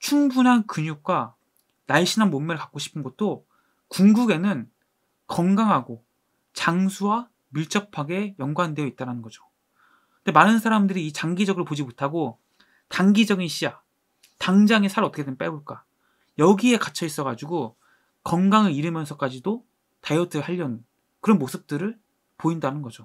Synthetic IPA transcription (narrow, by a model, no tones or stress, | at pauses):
t͡ɕʰuŋbunɦankɯɲuk̚k͈wa | naɭɕʰinɦanmommʌɭkḁk͈oɕʰi̥pʰɯnɡʌt̚t͈o | kuŋɡuɡe̞nɯn | kʌŋɡaŋɦaɡo | t͡ɕaŋsʰuwa | miɭt͡ɕ͈ʌpʰaɡe̞jʌŋɡwande̞joit̚t͈aɾanɯnɡʌd͡ʑo̥ | ɯndemanɯnsʰaɾamdɯɾiːt͡ɕaŋɡid͡ʑʌɡɯɭpod͡ʑimotʰaɡo | taŋɡid͡ʑʌɡinɕʰia | taŋd͡ʑaŋisʰaɾʌtʰʌkʰeemp͈eboɭk͈a | jʌɡie̞kat͡ɕʰʌis͈ʌɡad͡ʑuɡo | kʌŋɡaŋɯɾiɾɯmjʌnsʰʌk͈ad͡ʑido | tajʌtʰɯhaʎːʌnɯn | kɯɾʌnmosʰɯp̚t͈ɯɾɯɭ | poindanɯnɡʌd͡ʑo